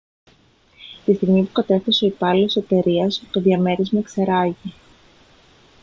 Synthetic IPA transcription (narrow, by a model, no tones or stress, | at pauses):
t̪ist̪iɣmipukɐt̪e̞fθeso̞ipɐlosot̪e̞ɾiɐst̪oðʝɐme̞ɾizmekseɾɐʝi